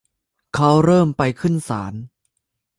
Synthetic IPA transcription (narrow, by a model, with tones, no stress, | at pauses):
kʰa˦˥wɾɤː˥˩mpa˧jkʰɯ˥˩nsaː˩˦n